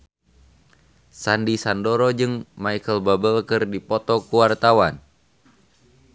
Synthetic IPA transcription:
sandisandɔɾɔd͡ʒɨŋmaikəlbabəlkɨrdipɔt̪ɔkuwart̪awan

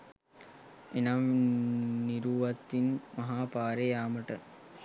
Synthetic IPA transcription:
enam | niɾuːʋɐt̪ːinmɐɦaːpaːɾejaːməʈə

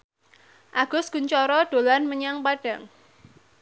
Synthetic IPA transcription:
ʔaɡ̥ʊsɡ̥uɲt͡ʃɔɾɔɖ̥o̤lanməɲaŋpaɖ̥a̤ŋ

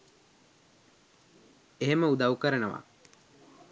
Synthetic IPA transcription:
eɦeməud̪aukəɾənəʋa̰

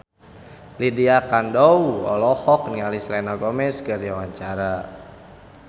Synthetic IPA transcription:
lidiakandɔuɔ̰lɔhɔk̚niŋalislɛnaɡɔmɛskəriawaɲt͡ʃaɾa

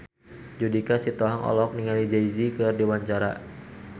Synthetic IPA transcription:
d͡ʒudikasit̪ɔɦaŋɔ̰lɔk̚niŋalid͡ʒaizikɨrdiwaɲt͡ʃaɾa

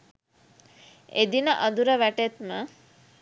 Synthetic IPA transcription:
ed̪inəʔɐd̪uɾəʋæʈet̪mə

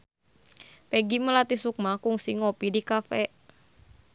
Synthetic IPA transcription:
pɛɡiməlat̪isuk̚makuŋsiŋɔpidikafɛʔ

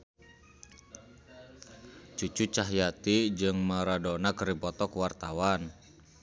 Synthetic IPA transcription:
t͡ʃut͡ʃut͡ʃaɦjat̪id͡ʒɨŋmaɾadɔnakɾibɔt̪ɔkwart̪awan

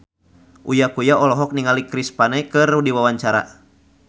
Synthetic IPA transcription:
ʔujakujaɔlɔɦɔk̚niŋalikɾispanɛkɨrudiwawaɲt͡ʃaɾa̰

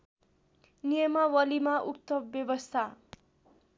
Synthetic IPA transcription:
nijʌmawʌlimaʔukt̪ʌbjʌbʌst̪ʰa

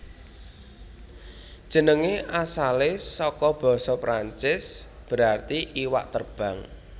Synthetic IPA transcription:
d̥ʒ̥ə̤nəŋeʔasalɪsɔkɔb̥ɔ̤sɔpɾaɲt͡ʃɪsb̥əɾart̪iʔiwa̰ʔt̪ərb̥a̤ŋ

